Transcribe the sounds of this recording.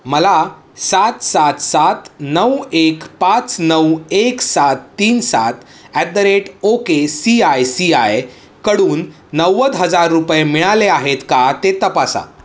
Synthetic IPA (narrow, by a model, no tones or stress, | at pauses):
məla | sat̪sat̪sat̪nəwekpãt͡snəweksat̪ːiːnsat̪ | æd̪əɾeʈokesiajsiaj | kəɽuːnː | əwːəd̪ɦəd͡zaɾːupjemiɭaleaɦet̪kat̪et̪əpasa̰